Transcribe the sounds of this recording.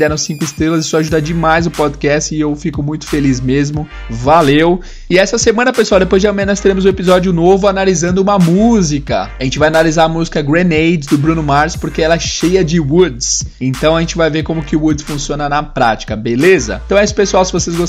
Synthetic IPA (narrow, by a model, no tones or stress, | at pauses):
d̪ɛɾɐ̃sĩŋkʊɪst̪ɾelɐzɪsɔaʒud̪ɐd͡ʒɪmajzʊpɔd̪kɛst͡ʃɪewfikʊmũj̃t̪ʊ̥felizmezmʊ | valew | ɪɛsɐsemɐ̃nɐpesuawd̪epojzd͡ʒamẽnɔs̬t̪eɾẽmʊzũepizɔd͡ʒjʊnovʊanalizɐ̃nd̪ʊũmɐmuzikɐ̰aʒẽnt͡ʃɪvajanalizaɾɐmuzikɐɡɾẽnejd͡ʒzd̪ʊbɾũnʊmaɾspoɾkeɛlɐɛʃejɐd͡ʒɪwud̪sẽnt̪ɐ̃w̃ɐʒẽnt͡ʃɪvajveɾkõmʊkɪʊwud̪sfũsiõnɐnɐpɾat͡ʃi̥kɐbelezɐ̰t̪ɐ̃w̃ɛisʊ̥pesuawsɪvosezɡos